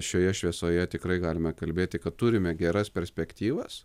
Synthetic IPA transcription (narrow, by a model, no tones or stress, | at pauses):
ʃʲoːjɛʃʲʋʲiɛsoːjɛt̪ʲɪkɾɐɪɡɑːlʲɪmɛkɐlʲbʲeːt̪ʲɪkɐt̪t̪uɾʲɪmʲɛɡʲɛɾɐspʲɛɾʲsʲpʲɛkt̪ʲiːʋɐs